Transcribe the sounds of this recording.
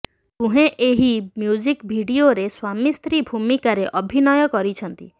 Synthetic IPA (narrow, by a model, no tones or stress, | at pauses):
t̪ũɦẽʔeɦimjud͡ʒikbʱiɽioɾeswamist̪ɾibʱumikaɾeʔɔbʱinɔjɔkɔɾit͡ʃʰɔnt̪ḭ